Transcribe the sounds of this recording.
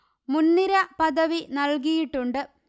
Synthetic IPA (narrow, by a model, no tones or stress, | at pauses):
munːiɾɐpɐðɐʋinɐlkijiʈːuɳɖɨ